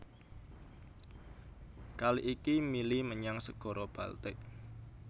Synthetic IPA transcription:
kaliʔikimiliməɲaŋsəɡ̥ɔ̤ɾɔb̥ä̤lt̪ɪʔ

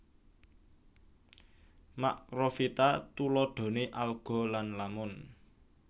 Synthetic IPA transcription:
maʔrofit̪at̪ulɔɖ̪̥o̤neʔalɡ̥ɔ̤lanlamʊn

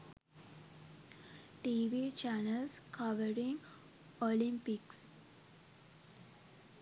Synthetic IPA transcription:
ʈiːʋit͡ʃænəlskʰʌʋəɾĩŋ | olĩmpiks

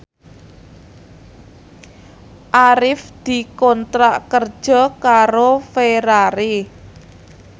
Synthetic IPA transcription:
ʔaɾɪfd̪̥i̤kɔnt̪ɾaʔkərd̥ʒ̥ɔ̤kaɾofeɾaɾi

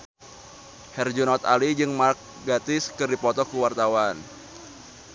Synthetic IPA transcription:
hɛrd͡ʒunɔt̪a̰lid͡ʒɨŋmark̚ | ɡat̪ɪskɨrdipɔt̪ɔkuwart̪awan

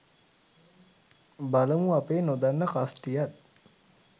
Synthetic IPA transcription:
baləmuapeːnod̪anːəkasʈijat̪̚

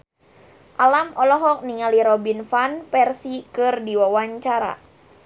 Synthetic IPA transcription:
ʔalamɔlɔɦɔk̚niŋaliɾɔbinfanpɛrsikɨrdiwawaɲt͡ʃaɾa̰

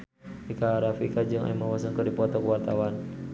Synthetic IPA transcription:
ikaːɾafikad͡ʒɨŋʔa̰imawasəŋkədipɔt̪ɔkəwart̪awan

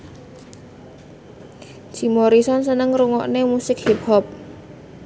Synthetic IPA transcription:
ʒ̥i̤moɾisɔnsənəŋruŋɔʔnemusɪk̚hip̚hɔp̚

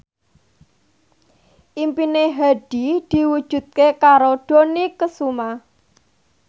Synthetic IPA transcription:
ʔimpineɦaɖ̥id̪̥i̤wud̥ʒ̥ṳt̪̚kekaɾoɖ̥o̤nikəsuma

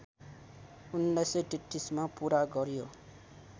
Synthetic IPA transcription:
unlajsʌ̃ʈiʈːismapuɾaɡʌɾjo

